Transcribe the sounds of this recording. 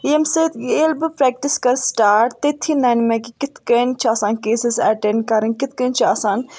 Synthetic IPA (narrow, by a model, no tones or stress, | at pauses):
jemset̪ɡeːlbɨpɾɛːk̚ʈiskɐɾsʈaːʈt̪et̪ʰːinɐnmẽkikɪt̪kɐnt͡ʃʰɐsaːnkeːsizɐʈeɳɖkɐɾənkɪt̪̚ʰkɐnt͡ʃʰasaːn